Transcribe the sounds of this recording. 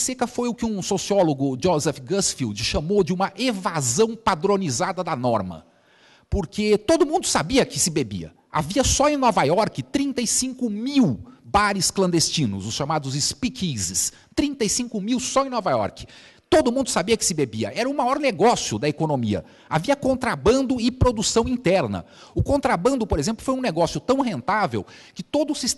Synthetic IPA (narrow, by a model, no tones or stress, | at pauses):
sekɐfojʊkɪũsosiɔloɡʊd͡ʒozɛfɡɐsfild͡ʒɪʃɐmod͡ʒɪũmɐʔevazɐ̃w̃pad̪ɾõnizad̪ɐd̪ɐnɔɾmɐ̰ | poɾket̪od̪ʊmũnd̪ʊsabiɐkɪsɪbebḭɐ̰ | a̰viɐsɔẽnɔvajɔɾkɪt̪ɾĩnt̪ɐjsĩŋkʊmiwbaɾɪsklɐ̃nd̪est͡ʃĩnʊ̰zʊsʃamad̪ʊzɪspikʰizɪs | t̪ɾĩnt̪ɐjsĩŋkʊmiwsɔẽnɔvajɔ̰ɾkɪ̥ | t̪od̪ʊmũnd̪ʊsabiɐkɪ̥sɪbebiɐ̰ʔɛɾɐũmajɔɾneɡɔsjʊd̪ɐekonomḭɐ̰ | aviɐkõnt̪ɾabɐ̃nd̪ʊɪpɾod̪usɐ̃w̃ĩt̪ɛɾnɐ̰ | ʊkõnt̪ɾabɐ̃nd̪ʊpoɾezẽplʊfojũneɡɔsjʊt̪ɐ̃w̃ɦẽnt̪avḛwkɪt̪od̪ʊsis